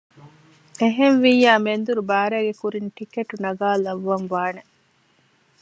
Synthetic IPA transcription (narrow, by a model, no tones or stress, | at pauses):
eɦenʋijaːmend̪uɾubaːɾæːɡekuɾinʈikeʈunɐɡaːlɐʋːɐnʋaːne